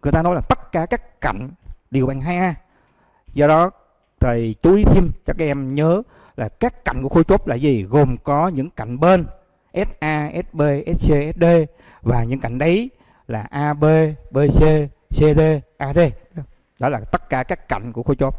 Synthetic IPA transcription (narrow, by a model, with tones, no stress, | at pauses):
ŋɨ˨˩əjt̪aː˧nɔ˨˦laː˨˩t̪ə˦˥t̚kaː˧˩kaː˦˥kka̰˧˨jŋ̟ɗi˨˩əwɓaː˨˩ŋɦaː˧jʔaː˧ | zɔ˧ɗɔ˨˦ | t̪ʰə˨˩jt͡ɕu˨˦ʔi˨˦t̪ʰi˧mt͡ɕɔ˧kaː˨˦ʔɛ˧mɲəː˨˦ | laː˨˩kaː˦˥kkːa̰˧˨jŋ̟ku˧˩əxo˧t͡ɕo˦˥p̚laː˨˩zi˨˩ɣo˨˩mkɔ˨˦ɲɨ̰˧˥ŋka˧˨jŋ̟ɓe˧n | ʔɛ˦˥t̚ʔaː˧ʔɛ˦˥t̚ɓe˧˩ʔɛ˦˥t̚se˧ʔɛ˦˥t̚ɗe˧ | vaː˨˩ɲɨ̰˧˥ŋka̰˧˨jŋ̟ɗə˨˦j | laː˨˩ʔaː˧ɓe˧ɓe˧se˧ | se˧ɗe˧ʔaː˧ɗe˧ | ɗɔ˨˦laː˨˩t̪ə˦˥t̚kaː˧˩kaː˦˥kːa̰˧˨jŋ̟ku˧˩əxo˧t͡ɕo˦˥p̚